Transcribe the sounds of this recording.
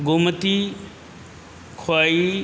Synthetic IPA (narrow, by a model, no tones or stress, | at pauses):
ɡomət̪i | kʰaːi